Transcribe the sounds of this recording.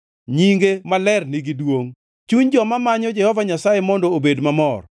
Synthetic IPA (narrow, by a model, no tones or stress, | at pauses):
ɲiŋɡemalɛrniɡidwoŋ | t͡ʃuɲd͡ʒɔmamaɲɔd͡ʒɛhɔvaɲasajemɔndɔobedmamɔr